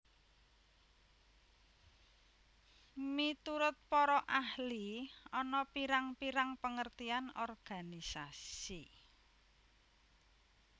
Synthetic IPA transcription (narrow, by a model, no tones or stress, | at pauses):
mit̪uɾʊt̪̚pɔɾɔʔahliɔnɔpiɾaŋpiɾaŋpəŋərt̪ianɔrɡ̥a̤nisasi